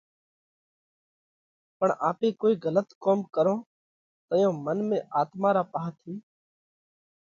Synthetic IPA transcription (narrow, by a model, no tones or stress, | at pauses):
pəɳaːpeːkoːiːɣələt̪koːmkəɾõː | t̪əjõːmənmẽːʔaːt̪maːɾaːpaːt̪ʰiː